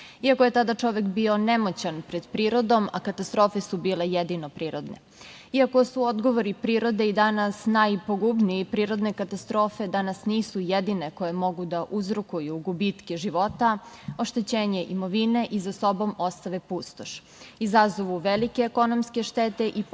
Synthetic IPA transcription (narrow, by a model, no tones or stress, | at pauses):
iakoje̞t̪ad̪at͡ʂo̞ʋekbio̞nemot͡ɕanpɾed̪pɾiːɾo̞d̪o̞ma̰kat̪ast̪ɾo̞ːfe̞subiːle̞jed̪inopɾiːɾod̪nḛ | iako̞suod̪ɡo̞ʋoɾipɾiːɾo̞d̪e̞id̪anasnajpoɡubniipɾiːɾo̞d̪ne̞kat̪ast̪ɾo̞ːfe̞d̪anasniːsujed̪ineko̞jemo̞ɡud̪aʔuzɾukujuɡubit̪keʒiʋo̞t̪a | o̞ʃt̪e̞t͡ɕeːɲe̞ʔimo̞ʋine̞ʔizaso̞bo̞most̪aʋepust̪oʃ | izazoʋuʋelikeːko̞nomske̞ʃt̪et̪e̞ʔi